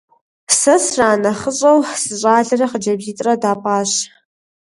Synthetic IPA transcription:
sɐsraːnɐχəɕʷʼɐwsɨɕʷʼaːɮɐrɐχəd͡ʒɐbziːtʼrɐdaːpʼaːɕ

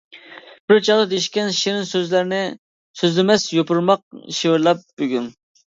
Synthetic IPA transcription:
b̥ɪɾt͡ʃʰɑʁd̪ɨd̪eʃkʲɛnʃiɾɪnsøzlæɾnɪ | søzlɪmɛsjopʰuɾmɑq̚ʃewɪɾlˠɑp̚b̥øɡʲyn

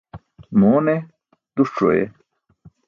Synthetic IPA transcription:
moːne | t̪uʈo̰ḛ

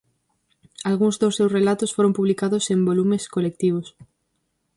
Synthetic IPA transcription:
alɣuŋzd̪osːewsrelat̪ʊsfoɾõmpuβlikaðʊsẽmbolumeskolek̚t̪iβ̞os

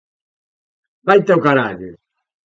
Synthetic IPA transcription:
bajt̪ɛwkaɾa̰ʎṵ

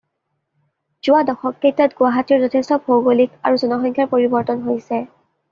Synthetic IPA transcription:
z̥ʊadɔxɔkːejtɔtɡʊwaɦatiɹzɔtʰestɔbʰʱowɡolikaɹuzɔnɔxɔŋkʰjaɹpoɹibɔɹtɔnɦojsɛ

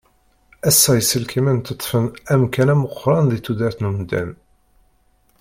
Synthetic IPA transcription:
æsːæjəsəlkimænt̪ət̪ˤːfənæmkænæməqʷːɾˤɑnðiθud̪æɾθnumd̪æ̰n

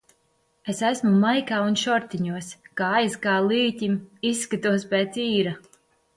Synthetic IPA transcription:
esæsmumajkaːunʃɔɾt̪iɲuɔskaːajzɡaːlˠiːt̪ʲimisːkat̪uɔspɛːt̪siːɾa

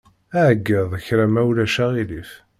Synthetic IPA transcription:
æʕəɡːəðˤəçɾæmæwlæʃæʁilif

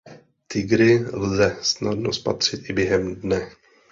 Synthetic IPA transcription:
t̪ɪɡɾɪlzɛsnadnospa̰t̪r̝̥ɪt̪ʔɪbjɛɦɛmdnɛ

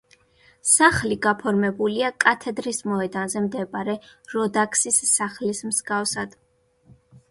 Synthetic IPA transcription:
saχliɡapʰɔɾmɛbuliakʼat̪ʰɛd̪ɾismɔɛd̪anzɛmd̪ɛbaɾɛɾɔd̪akʰsisːaχlismzɡafsad̪̥

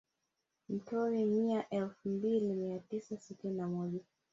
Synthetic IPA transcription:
m̩tɔɾimiaʔɛlfum̩bilimiatisasitininamɔʄa

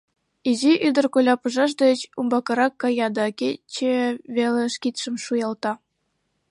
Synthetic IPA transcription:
iʑiʔyd̪ɘ̆rkolʲɑpɤ̆ʐɑʃ̬d̪ə̆t͡ɕumbɑkɤ̆ɾɑkːɑjɑd̪ɑkʲet͡ɕeβʲelʲɘ̆ʂkʲit̪ʃɘ̆mʂujɑlˠt̪ɑ

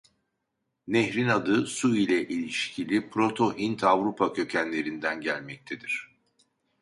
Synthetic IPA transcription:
nɛçɾinad̪ɯsuilʲɛʔilʲiʃcʰilʲipʰɾo̞t̪ʰo̞ɦint̪ʰavɾupʰacʰø̞cʰænlʲe̞ɾind̪ænɟælʲmɛc̚t̪ʰe̞d̪iɾ̝̥

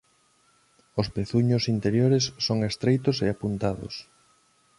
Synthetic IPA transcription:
ospeθuɲʊsint̪eɾjoɾesːoŋest̪ɾejt̪ʊseapunt̪aðo̰s

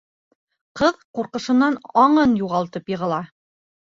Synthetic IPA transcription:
qɤðquɾqɤ̆ʃɤ̆nːɑnɑɴɤnjuʁɑlˠt̪ɤpjɤ̆ʁɤ̆lˠɑ

